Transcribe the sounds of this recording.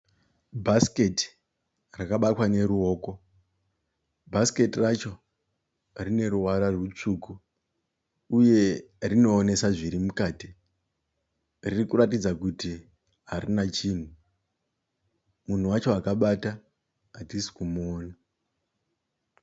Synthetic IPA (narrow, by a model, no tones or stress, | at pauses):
bʱaske̞ti̥ | rakaɓatwane̞ɾuo̞ːko̞ | bʱaske̞tirat͡ʃo̞ | rine̞ɾuwaɾarwut͡ʂuːku | uje̞ | rino̞ːne̞saʐiɾimukaːti | ririkuɾatid͡zakuti | ɦaɾinat͡ʃiːn̤u | mun̤uwat͡ʃo̞akaɓata | atisi̥kumoːna